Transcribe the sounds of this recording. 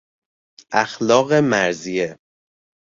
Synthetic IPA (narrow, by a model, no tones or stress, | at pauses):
ʔæxlɒːɣe̞mæɾzije